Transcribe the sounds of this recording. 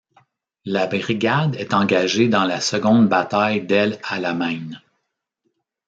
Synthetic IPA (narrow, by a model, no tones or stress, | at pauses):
labʁiɡʲad̪ɛt̪ɑ̃ɡʲaʒed̪ɑ̃lasəɡɔ̃nd̪bat̪ajd̪ɛlalamɛ̃n